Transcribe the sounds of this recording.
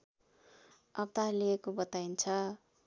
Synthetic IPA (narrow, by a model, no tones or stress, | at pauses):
ʌb̚t̪aliekobʌt̪aint͡sʰʌ